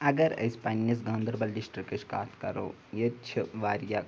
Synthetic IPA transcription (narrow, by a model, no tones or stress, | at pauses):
ɐɡəɾɐ̰spaːnijɐs̬ɡãːnd̪əɾbɐlɖɪsʈɾikeʃka̰ːt̪ʰkɐɾo̰ː | jet͡ʃʰɐʋaːɾjaː